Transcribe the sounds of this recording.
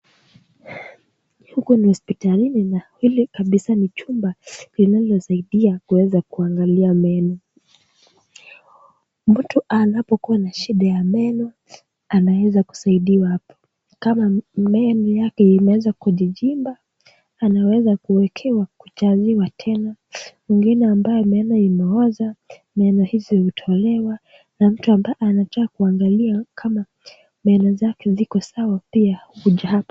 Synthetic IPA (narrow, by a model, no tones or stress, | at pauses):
hukunihuspitalininahilikaɓisanit͡ʃumbalinalɔsaiɗiakuwɛzakuaŋɡaliamɛnɔ | mm̩tuʔanapɔkuwanaʃiɗajamɛnɔ | anawɛzaku̥saiɗiwahapɔ̥ | kamamɛnɔjakɛimɛwɛzakuʄiʄimbaː | nawɛzakuwɛkʰɛwakut͡ʃaziwatʰɛnamiŋɡinɛambajɔmɛnɔimɛɔza | mɛnɔhizɔutʰɔlɛwa | nam̩tuambaanatakakuaŋɡaliakʰama | mɛnɔzakɛzikɔsawapiahuuʄahapɔ̥